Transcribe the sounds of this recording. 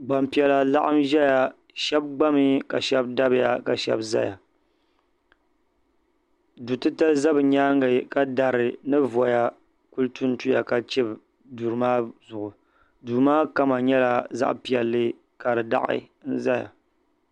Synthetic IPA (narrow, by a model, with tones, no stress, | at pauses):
ɡ͡ba˨mpi˨ɛ˨la˨la̰˦ʔa˦mʒɛ˦ja˨ | ʃɛ˦b̚ɡ͡ba˦mi˦ka˨ʃɛ˦bda˦bɨ˦ja̰˨ka˨ʃɛ̰˦bza̰˦ja˨ | du˨tɨ˦ta˦za˦bɨ˨ɲa˦ŋɡɨ˨ka˨da˨ɾɨ˨nɨ˦vɔ˨ja˨ | ku˦ltu˦n̩˦tu˦ja˨ka˨t͡ʃe˦b | du˨ɾɨ˨maː˦zʊ˨ʔʊ˨ | du˨ɾmaː˦ka˦ma˨ɲɛ˦la˨za̰˦ʔpi˨ɛ˨lːɨ˦ | ka˨dɨ˨da̰˦ʔɪ̰˦ | n̩˦za˦ja̰˨